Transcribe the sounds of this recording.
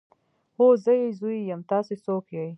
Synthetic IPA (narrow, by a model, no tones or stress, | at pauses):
ozəjezujijamt̪ɑːsesokjaj